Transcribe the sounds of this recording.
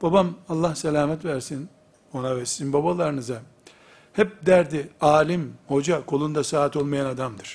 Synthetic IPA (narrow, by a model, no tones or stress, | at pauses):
b̥abamalˠːahselʲaːmɛt̪væɾsin | o̞navɛsinbabalˠaɾɯnɯza | hɛp̚d̪æɾd̪iaːlʲimho̞d͡ʒakʰo̞lˠund̪asaːt̪ʰo̞lˠmajanad̪amd̪ɯɾ̥